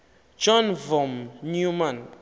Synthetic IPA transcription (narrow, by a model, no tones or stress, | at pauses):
d͡ʒɔnvɔmnjuman